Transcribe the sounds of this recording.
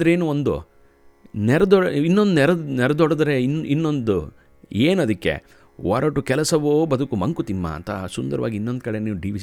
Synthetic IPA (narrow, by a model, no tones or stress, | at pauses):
d̪ɐɾeːnuond̪ṵ | nɛɾɐd̪ɔinːond̪unɛɾɐnɛɾɐd̪ɔɽɐd̪ɐɾeninːo̞nd̪u | eːnɐd̪ɐkːe̞̰ | ʋɐːɾoːʈukɛlɐsɐʋoːbɐd̪ukumɐŋkut̪imːɐ̰ɐ̰nt̪ʰɐsund̪ɐɾɐʋa̰ːɡinːo̞nd̪̚kɐɽeniːʋuɖiːʋi